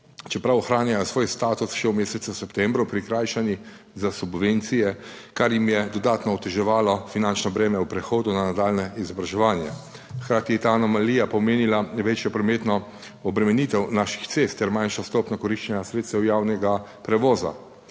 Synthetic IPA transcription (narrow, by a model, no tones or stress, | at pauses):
t͡ʃɛpɾawɔxɾaːnjajɔsʋoːjst̪aːt̪usʃɛwmeːsɛt̪suwsɛpt̪ɛmbɾupɾikɾaːjʃani | zasubʋent̪sijɛkaɾjimjɛd̪ɔd̪aːt̪nɔɔt̪ɛʒɛʋaːlɔfinant͡ʃnɔbɾɛːmɛwpɾɛxoːd̪unanad̪aːlnɛizɔbɾaʒɛʋaːnjɛ | xkɾaːt̪ijɛt̪anɔmaliːjapɔmeːnilaʋeːt͡ʃjɔpɾɔmeːt̪nɔ | ɔbɾɛmɛniːt̪ɛwnaːʃi̥xt̪sest̪ːɛɾmajnʃɔst̪ɔːpnɔkɔɾiʃt͡ʃɛɲasɾet̪st̪ɛwjaːwnɛɡapɾɛʋɔːza̰